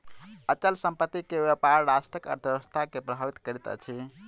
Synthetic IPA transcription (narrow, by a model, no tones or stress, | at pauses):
ət͡ʃəlsə̃mpət̪ːikeʋjepaɾɾasʈɾəkə̰ɾt̪ʰəbəst̪ʰakepɾəbʱaʋit̪kəɾit̪ə̰t͡ʃʰi